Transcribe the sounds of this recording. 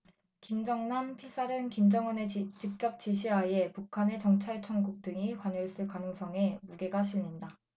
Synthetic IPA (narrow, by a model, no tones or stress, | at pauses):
kimd͡ʑʌŋnampʰisʰaɾɯnkimd͡ʑʌŋɯnet͡ɕik̚t͡ɕ͈ʌk̚t͡ɕ͈iɕʰiɦae̞pukʰane̞t͡ɕʌŋt͡ɕʰaɭt͡ɕʰʌŋɡuk̚t͈ɯŋikwaɲoɭs͈ɯɭkanɯŋs͈ʰʌŋe̞muɡe̞ɡaɕʰimɲinda